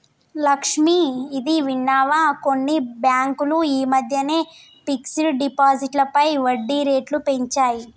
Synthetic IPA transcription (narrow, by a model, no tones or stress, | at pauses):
lɐkʂmiid̪iʋiɳːaːʋako̞nːibjaːŋkuluiːmɐd̪ʱjɐne̞ː | piksɐluɖipaːd͡ʒiʈlɐpɐjʋɐɖːiɾe̞ːʈlupe̞ɲt͡ʃaːji